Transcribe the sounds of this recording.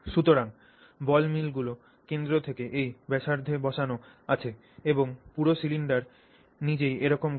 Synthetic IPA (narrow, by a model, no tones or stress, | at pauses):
ʃut̪oɾaŋ | bɔlmilɡulo | kend̪ɾot̪ʰekeʔejbɛʃaɾd̪ʱebɔʃano | at͡ɕʰe | eboŋpuɾosiliɳɖaɾ | nid͡ʑejʔeɾɔkom